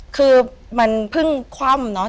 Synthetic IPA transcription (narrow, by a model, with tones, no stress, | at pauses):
kʰɯː˧ma˧npʰɯ˥˩ŋkʰwa˥˩mnɔ˦˥